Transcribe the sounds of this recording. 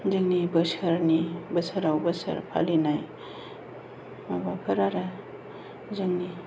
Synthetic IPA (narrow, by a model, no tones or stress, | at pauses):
zɯŋnibɐsəɾnibɐsaɾawbəsɐ̰ɾpʰa̰linaj | mabapʰɐɾaɾɐ | zɯŋni